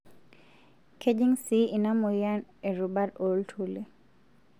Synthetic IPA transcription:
kʰed͡ʒiŋsiinamɔjaneɾubaɾoltʰuli

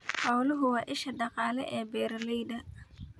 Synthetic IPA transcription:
hawlʊɦʊwaːʔɪʃɐdɑqɑːlɛ̰ʔɛːbɛːɾɐlɛjɗɐ

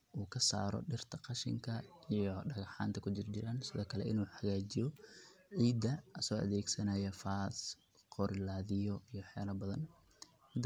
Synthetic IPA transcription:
ʔuːkʰɐsa̰ːɾɔ̰ɖɪrt̪ʰɐqɑʃɪ̰ŋkʰɐijɔɖɐɣɑħa̰ːnt̪ʰɐkʰʊt͡ʃɪrt͡ʃɪɾɐnsɪðɔːkʰɐlɛ̰ʔɪnuːħɑɣaːd͡ʒɪjɔʕiːd̪ɐsɔːʔɐ̰ðɛːɡsɐnɐjɐfaːs | qɔɾɪlaːðɪjɔijɔħɛːlɐbɐðɐn | mɪd̪

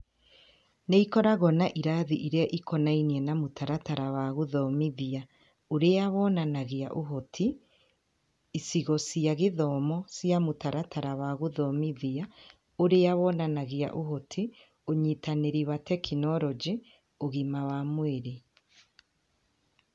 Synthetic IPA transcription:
neikɔɾaɣɔnaʔiɾaðiʔiɾeaʔikɔnainiɛnamotaɾataɾawaɣoðɔmiðia | oɾeawɔnanaɣeaʔoɦotʰi | isiɣɔsiaɣeðɔmɔsjamotaɾataɾawaɣoðɔmiðia | oɾeawɔnanaɣea̰ʔoɦotʰi | oɲitaneɾiwatɛkʰinɔɾɔd͡ʒi | oɣimawamweɾe

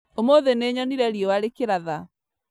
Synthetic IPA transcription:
omoðeneɲɔniɾɛɾiɔwaɾekeɾaða

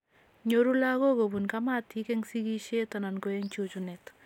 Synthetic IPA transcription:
ɲoɾulaɣoɡobunkamat̪ikɛŋsiɡiʃet̪ananɡoeŋt͡ʃot͡ʃunɛt̪

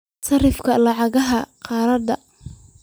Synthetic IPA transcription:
sɐrɪfkʰɐlɑʕɑɣɐɦɐqɑːɾɐd̪ɐ

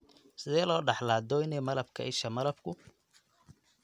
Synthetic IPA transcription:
sɪðɛːjlɔːɖɑħlaːd̪ɔɪnɛjmɐlɐbkʰɐ̰ʔɪʃɐmɐlɐbkʰʊ

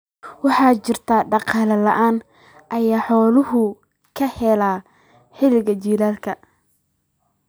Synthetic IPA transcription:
wɑħɑːt͡ʃɪrt̪ʰaːɖɑqɑːlɐlɐʔaːn | ʔɐjaːħɔːlʊɦʊ | kʰɐhɛlaː | ħɪlɪɣɐt͡ʃiːlaːlkʰɐ

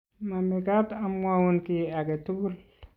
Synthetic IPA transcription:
mamikatamwawunkiaɡetuɡul

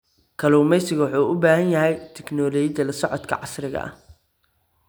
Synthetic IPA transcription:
kʰɐluːmɛjsɪɣɐwʊħuːʔʊbaːhɐnjɐɦɛjt̪ʰɛknɔlɔd͡ʒɐlɐsɔʕɔt̪kʰɐ̰ʕɑsrɪɣɐ̰ʔɐ̰h

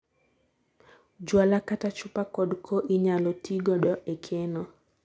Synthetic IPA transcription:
d͡ʒwalakatat͡ʃʊpakɔdkʰoʔiɲalɔtʰiɡɔɗɔʔekʰenɔ

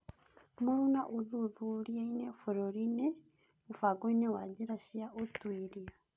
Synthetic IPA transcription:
muɾunaʔuðuðuɾjainefoɾoɾine | ufaɡoinewaɟiɾaʃijaʔotwiɾija

